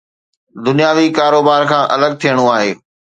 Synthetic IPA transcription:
d̪ʊnijaːʋikaːɾoːbaːɾkʰãːʔɐləɡ̚t̪ʰijəɽ̃uaːɦeː

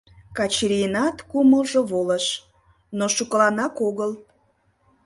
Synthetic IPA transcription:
kɑt͡ɕɾinɑt̪kuməlʒoβoləʃ | noʃukəlɑnɑkoɣəl

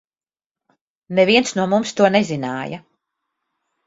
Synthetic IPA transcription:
nɛviɛnsnuɔmumst̪uɔnɛzinaːjɐ

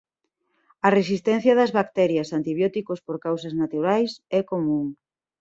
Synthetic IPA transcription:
ɐresist̪ɛn̟θjɐðɐzβak̚t̪ɛɾjɐsant̪iβjɔt̪ikospoɾkawsɐznat̪uɾajsɛkomũŋ

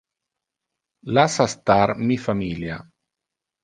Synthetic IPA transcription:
lasast̪aɾmifamilja

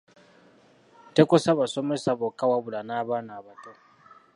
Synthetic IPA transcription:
tekosaβaso̞me̞saβokːawaβulanaːβaːnaːβato

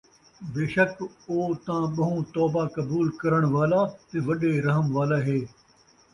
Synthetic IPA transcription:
beːʃəkoːt̪ãːɓɐɦũt̪ɔːbakɐbuːlkɐɾəɽ̃ʋaːlat̪eʋɐɗeɾɐɦəmʋaːlaɦeː

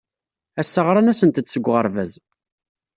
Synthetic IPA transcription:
æsːəʁɾˤɑnæsənt̪ət͡sːəɡʷːʁəɾˤvæz

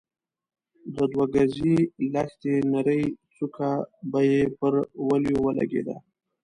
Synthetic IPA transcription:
d̪əd̪waɡazilaxt̪enaɾəjt͡sukʰabajepəɾwaljowəla̰ɡḛd̪a̰

